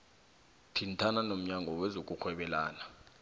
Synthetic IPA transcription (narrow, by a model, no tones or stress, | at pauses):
tʰintʰananom̩ɲaŋɡʱɔwɛzok̬ʼuxʰwɛɓɛla̰ːna